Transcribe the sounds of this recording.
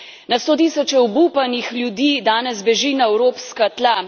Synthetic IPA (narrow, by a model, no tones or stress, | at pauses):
nast̪oːt̪isɔt͡ʃɛɔbupanixlʲjud̪iːd̪aːnɛzbɛʒiːnaɛwɾoːpskat̪la